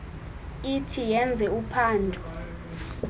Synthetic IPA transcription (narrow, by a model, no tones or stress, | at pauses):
itʰijɛnd͡zʱɛupʰaːndʱʼu